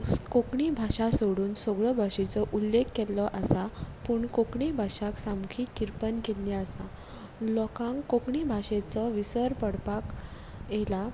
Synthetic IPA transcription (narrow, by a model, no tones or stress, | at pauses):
kokɳibʱaɕasoɽuːnsɔɡɭəbʱaʂet͡sɔʔulːekːelɔʔasapuːɳkokɳibʱaʂaksamkʰiːkiɾpənkelnjaəsa | lɔkãŋkkːokɳibʱaɕet͡səʋisəɾpəɽpak | jela